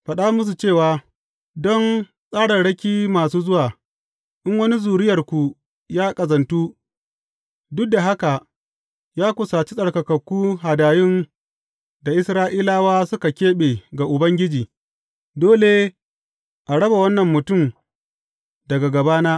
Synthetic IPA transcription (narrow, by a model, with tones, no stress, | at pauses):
ɸɐ˨ɗa˦mʊ˦s̬u˨t͡ʃeː˦˨waː˨ | dɔ˦n | sʼaː˦ɽɐ˨nɽɐ˦kʲiː˦maː˨suː˦zʊ˦waː˨ | ʔɪ˦ŋwɐ˦ni˦zuː˨ɽɪ˦jɐ˨rkʷu˨ | jaː˦kʼɐ˨zɐ˨ntuː˦ | dʊ˦k̚da˨ɦa˦ka˨ | jaː˦kʷʊ˨saː˨t͡ʃi˦sʼɐ˨ɽkɐ˨kɐ˨kʷːuː˦ɦa˨daː˨jɪ˦n | da˨ʔɪ˦sɾaː˦ʔiː˦laː˦waː˦sʊ˦ka˨kʲeː˦ɓe˨ɡa˨ʔʊ˨bɐ˦ŋɡʲɪ˦d͡ʒiː˨ | doː˦leː˦ | ʔa˨ɽɐ˦ba˨wɐ˦nːɐ˨mːʊ˨tʊ˦˨m | dɐ˨ɡa˨ɡɐ˨baː˦naː˦